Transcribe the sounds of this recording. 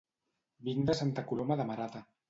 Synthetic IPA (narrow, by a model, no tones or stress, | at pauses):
bind̪əsant̪akulomaðamaɾat̪a